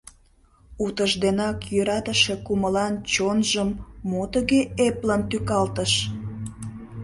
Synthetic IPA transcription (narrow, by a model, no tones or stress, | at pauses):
ut̪əʒd̪enɑkjøɾɑt̪əʃekuməlɑnt͡ɕonʒəmːot̪əɣeepləmt̪ykɑlt̪əʃ